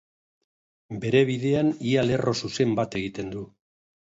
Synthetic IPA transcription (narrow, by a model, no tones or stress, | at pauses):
be̞ɾe̞βiðe̞aniale̞rʔo̞suse̞mbat̪e̞ɣit̪e̞nd̪u